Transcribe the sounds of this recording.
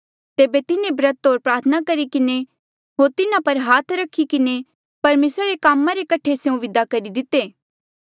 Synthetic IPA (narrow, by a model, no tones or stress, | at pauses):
t̪eːbet̪ɪnẽbɾɐt̪ɦoːɾpɾaːɾt̪ʰənakɐɾikɪne | ɦoːɾt̪ɪnapɐɾɦaːt̪ʰɾɐkʰːikɪne | pɐɾmeːsɾaɾekaːmːãɾekɐʈʰeseũʋɪd̪akɐɾid̪ɪt̪eː